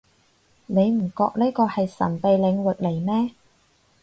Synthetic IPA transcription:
ne˨˧jm̩˨˩kɔː˧k̚liː˥jkɔː˧hɐ˨jsɐ̰˨˩npe˨jlɪ˨˧ŋwɪ˨k̚le˨˩jmɛː˥

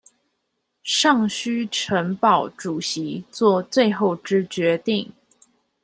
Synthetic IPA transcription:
ʂɑ˥˩ŋɕy˥ʈ͡ʂʰə˧˥ŋpɑ˨˩ʊʈ͡ʂu˨˩ɕi˧˥t͡swɔ˥˧t͡swe˥˧ɪxo˥˩ʊʈ͡ʂɻ̩˥t͡ɕɥɛ˧˥t̪i˥˩ŋ

